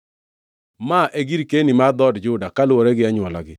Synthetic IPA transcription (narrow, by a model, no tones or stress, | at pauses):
maʔeɡiɾkenimad̪ɔdd͡ʒʊdakalwɔɾɛɡɪaɲwɔla̰ɡɪ